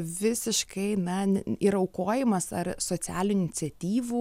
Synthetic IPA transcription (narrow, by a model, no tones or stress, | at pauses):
ʋʲɪsʲɪʃkɐɪnɐiɾɐʊkoːjɪmɐsɐrsoːt͡s̪ʲæːlʲuɪnʲɪtt͡ssʲɛt̪ʲiːʋu